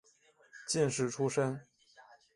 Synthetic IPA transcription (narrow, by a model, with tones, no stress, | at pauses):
t͡ɕi˥˧nʂɻ̩˥˩ʈ͡ʂʰu˥ʂə˥n